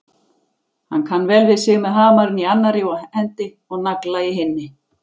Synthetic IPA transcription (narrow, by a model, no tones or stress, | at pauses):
hankʰanːvɛːlvɪðsɪːɣmɛðɦaːmaɾʏnianːaɾɪahɛnt̪ɪ | ɔɣnaklaɪɦɪnːɪ